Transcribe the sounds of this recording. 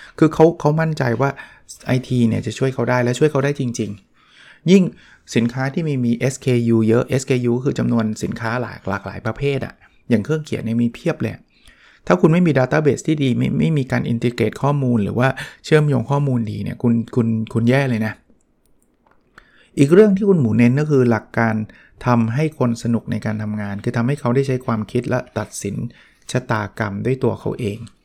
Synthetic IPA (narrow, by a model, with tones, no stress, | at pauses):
kʰɯː˧kʰa˦˥wkʰa˦˥wma˥˩nt͡ɕa˧jwaː˥˩ | ʔa˧jt̪ʰiː˧ni˥˩ɐt͡ɕa˨˩t͡ɕʰu˥˩əjkʰa˦˥wdaː˥˩jlɛ˦˥t͡ɕʰu˥˩əjkʰa˦˥daː˥˩jt͡ɕi˧ŋt͡ɕi˧ŋ | ji˥˩ŋ | si˨˩˦nkʰaː˦˥t̪ʰiː˥˩miː˧miː˧ʔe˦˥skʰeː˧juː˧jɤ˦˥ʔe˦˥skeː˧juː˧˥kʰɯː˧t͡ɕa˧mnu˧ənsi˩˦nkʰaː˦˥la̰ː˨˩˦kla̰˨˩k̚la̰ː˩˦jpɾa˧pʰeː˥˩t̪̚ʔa̰˨˩ | jaː˨˩ŋkʰɾɯ˥˩əŋkʰi˨˩˦ni˥˩miː˧pʰi˥˩əplɤː˧ja̰˨˩ | t̪ʰaː˥˩kʰu˧nma˥˩jmiː˧daː˧t̪aː˥˩beː˨˩st̪ʰiː˥˩diː˧ma̰˥˩ma˥˩jmiː˧kaː˧nʔḭ˧nt̪i˧keː˨˩t̪̚kʰɔː˥˩muː˧nɾɯ̰ː˩˦waː˥˩t͡ɕʰɯ˥˩əmjoː˧ŋkʰɔː˥˩muː˧ndḭː˧nḭ˦˥˩ɐkʰu˧nkʰu˧nkʰu˧njɛː˥˩lɤː˧jna˦˥ | ʔiː˨˩k̚ɾɯ˥˩əŋt̪ʰiː˥˩kʰu˧nmuː˩˦ne˦˥nkɔː˥˩kʰɯː˧la˨˩kːaː˧n | t̪ʰa˧mɦa˥˩jkʰo˧nsa˧nu˨˩k̚na̰˧jkaː˧nt̪ʰa˧mŋaː˧nkʰɯː˧t̪ʰa˧mha˥˩jkʰa˦˥wdaː˥˩jt͡ɕʰa˦˥jkʰwaː˧mkʰi˦˥t̪̚lɛ˦˥t̪a˨˩t̪̚si˩˦n | t͡ɕʰa˧t̪aː˧ka˧mdu˥˩əjt̪u˧ɐkʰa˦˥wʔeː˧ŋ